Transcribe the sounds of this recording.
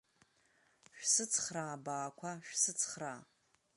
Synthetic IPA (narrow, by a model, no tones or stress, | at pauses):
ʃᶣsɨt͡sʰχraːbaːkʷʰaʃᶣsɨt͡sʰχraː